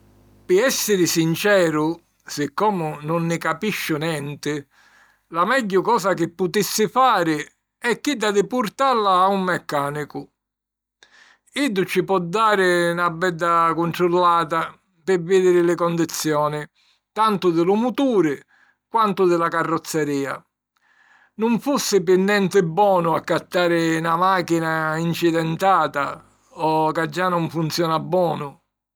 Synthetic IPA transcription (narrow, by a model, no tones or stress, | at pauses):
pɪɛsːɪɾɪsint͡ʃɛːɾʊ | sɪkːɔːmʊnʊnːɪkapiʃːʊnjɛnt̪ɪ | lamɛɟːʊkɔːsak̟ɪpːʊt̪isːɪfaːɾɪ | ɛkːɪd̪ːad̪ɪpuɾt̪alaːumːɛkːaːnikʊ | id̪ʊt͡ʃːɪpɔd̪ːaːɾɪnabːɛd̪ːakʊnʈɾʊlːaːt̪a | pɪvɪːd̪ɪɾɪlɪkɔnd̪it̪sːjɔːnɪ | t̪ant̪ʊd̪ɪlumut̪uːɾɪ | kwant̪ʊd̪ɪlakarːɔt̪sːɛɾiːa̰ | nʊɱfusːɪpɪnːjɛnt̪ɪbːwɔːnʊakːat̪ːaːɾɪnamaːkinaint͡ʃid̪ɛnt̪aːt̪a | ɔkad͡ʒːanɔɱfunt̪sjɔːnabːwɔːnʊ